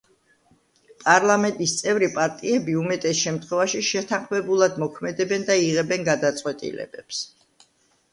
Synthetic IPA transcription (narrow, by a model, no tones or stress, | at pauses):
pʼaɾlˠamɛnt̪ʼist̪sʼɛvɾipʼaɾt̪ʼiɛbiumɛt̪ʼɛsʃɛmt̪ʰχwɛvaʃiʃɛt̪ʰanχmɛbulˠad̪mɔkʰmɛd̪ɛbɛnd̪aiʁɛbɛnɡad̪at̪sʼqʼwɛt̪ʼḭlɛ̰bɛps